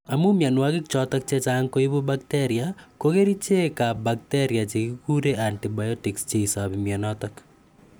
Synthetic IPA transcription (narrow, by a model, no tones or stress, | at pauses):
amumjanwakɪkt͡ʃɔtɔk̚t͡ʃet͡ʃaŋkoibubak̚teɾiakokeɾit͡ʃekabak̚teɾjat͡ʃekikuɾeʔantibajɔtɪkst͡ʃeisabimjanɔtɔk